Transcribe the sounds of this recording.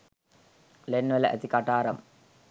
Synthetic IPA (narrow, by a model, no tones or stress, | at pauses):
lenːʋeləʔæ̰t̪ikaʈaːɾɐm